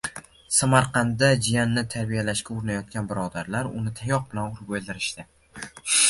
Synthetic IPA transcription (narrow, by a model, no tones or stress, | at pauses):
samaɾqʰɑnd̪ad͡ʒijanːɪt̪ʰaɾbijalaʃkʲaʊɾɪnajɒt̪̚kʲanbɪɾɒd̪aɾlaɾʊnɪt̪ʰajɒq̚bɪlanʊɾbolˠd̪ɪɾɪʃt̪ɪ